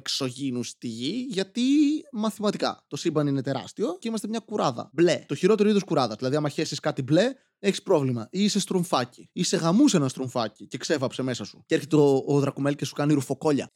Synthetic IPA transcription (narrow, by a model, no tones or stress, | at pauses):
kso̞ʝinust̪iʝiʝɐt̪imɐθimɐt̪ikɐ̰t̪o̞sibɐnine̞t̪e̞ɾɐ̰st̪io̞ceimɐst̪emɲɐkuɾɐðɐ̰ble̞t̪o̞çiɾo̞t̪eɾoiðoskuɾɐðɐzðilɐðiɐmɐçe̞siskɐt̪ible̞ | e̞çi̥spɾo̞vlimɐʔise̞st̪ɾuɱfɐciise̞ɣɐmusenɐnst̪ɾuɱfɐcice̞kse̞vɐpse̞me̞sɐsu̥ceɾçet̪eoːðɾɐkume̞lce̞su̥kɐniɾufo̞ko̞ʎɐ̰